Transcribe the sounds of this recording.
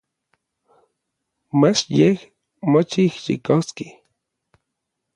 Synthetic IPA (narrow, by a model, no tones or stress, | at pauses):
mat͡ʃjeh | mot͡ʃiihʃḭkoski